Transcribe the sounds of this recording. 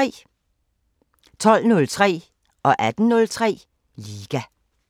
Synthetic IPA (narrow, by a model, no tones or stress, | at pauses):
t͡sʰɒ̽l̰nɔ̽lt͡sʰʁɛ̰ː | ʔɒ̽ʔæd̥n̩nɔ̽lt͡sʰʁɛ̰ː | liːɡ̥æ